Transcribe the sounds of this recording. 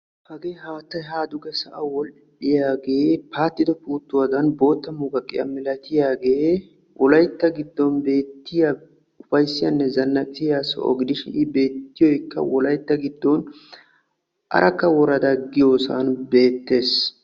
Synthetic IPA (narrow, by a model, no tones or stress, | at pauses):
hɐɡeːɦaːt̪ːɐjɦaːd̪ʊɡɛsɐʔɐwɔl | ᶑɪjaːɡe̞ːpaːt̪ːɪd̪ɔpuːt̪ːʊwɐd̪ɐnbo̞ːt̪ːɐmuɡɐkʼːɪjɐ̰mɪlɐt̪ɪjaːɡe̞ː | wʔɔlɐjt̪ːɐɡɪd̪ːɔnbe̞ːt̪ːɪjɐ | ʊfɐjsːɪjɐnːɛzɐnːɐkʼɪsɪjasɔ̰ʔɔ̰ɡɪd̪ɪʃɪ̰ɪbe̞ːt̪ːɪjɔjkːɐ̰wɔlɐjt̪ːɐɡɪd̪ːɔn | ʔɐ̰ɾʔɐkːɐwɔɾɐd̪ɐɡɪjoːsɐ̰nbe̞ːt̪ːe̞ːs